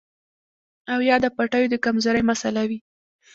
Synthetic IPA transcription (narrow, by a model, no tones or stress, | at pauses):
awjɑd̪əpaʈajod̪əkamzaɾəjmasalawi